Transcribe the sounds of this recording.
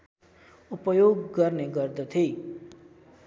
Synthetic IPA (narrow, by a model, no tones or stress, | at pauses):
upʌjoɡːʌrneɡʌrd̪ʌt̪ʰi